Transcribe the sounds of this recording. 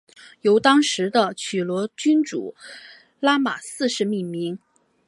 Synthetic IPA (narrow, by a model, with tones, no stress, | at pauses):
jo˧˥ʊt̪ɑ˥ŋʂɻ̩˧˥d̪ə˧t͡ɕʰy˨˩lwɔ˧˥t͡ɕy˥nʈ͡ʂṵ˨˩˦ | la˥ma˨˩sɹ̩˥˧ʂɻ̩˥˧mi˥˩nmi˧˥ŋ